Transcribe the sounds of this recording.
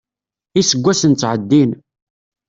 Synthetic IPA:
isəɡʷːæsənt͡sːʕəd̪ːin

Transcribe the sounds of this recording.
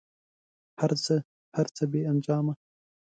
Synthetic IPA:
haɾt͡sə | haɾt͡səbeːand͡ʒɑːma

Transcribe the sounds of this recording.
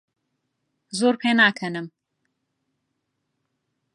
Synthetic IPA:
zoːɾpʰeːnaːkʰɐnɨm

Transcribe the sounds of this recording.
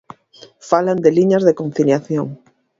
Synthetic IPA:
faland̪eliɲazðekon̟θiljaθjoŋ

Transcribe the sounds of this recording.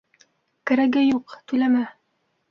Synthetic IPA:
kɘ̆ɾæɡɘjuqt̪ʉjlæmæ

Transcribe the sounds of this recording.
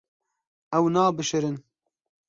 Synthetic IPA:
ɛwnɑːbɨʃɨɾɨn

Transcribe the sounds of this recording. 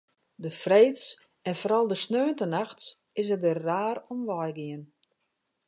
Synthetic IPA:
dəfreːts | ɛnfɔɾɑlˠdəsnøːəntənaxts | ɪsədəːaːɾɔmʋɔjɡɪən

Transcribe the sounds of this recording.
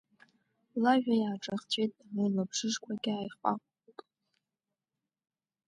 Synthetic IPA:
laʒᶣajaːʈ͡ʂʼaχt͡ɕʷʰʼejtʼamɨlapʰʂɨʐkʷʰaɡʲɪaːjχʷʼa̰kʷʼ | kʼ

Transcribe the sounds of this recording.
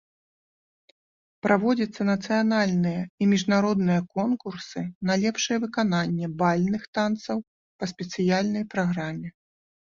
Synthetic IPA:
pɾʔavɔd͡zʲɐt̪sːɐnɐt̪sɨjanalʲnɨjɐimʲiʐnaɾɔd̪nɨjɐkɔnkursɨnɐlʲɛpʂɨjɛvɨkananʲːɛbalʲnɨxt̪ant̪sɐw | pɐsʲpʲɛt̪sɨjalʲnɐjpɾaɣɾamʲɛ

